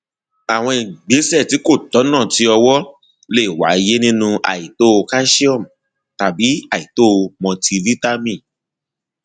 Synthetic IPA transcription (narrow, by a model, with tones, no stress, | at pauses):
a˨w̃ɔ̃˧i˨ɡ͡be˨˦sɛ˦˨ti˨˦ko˦˨tɔ˨˦nãː˦˨ti˨˦ɔ˧wɔ˦ | le˦˨wa̰˨˦˧je˦nĩ˦nũ˧a̰˨i˨to˦˧ka˦ʃi˦ɔ˦˨m̩˨ | ta˨bi˨˦a˦˨i˨to˦˧mɔ̃˧ti˧vi˦ta˦mĩ˦˨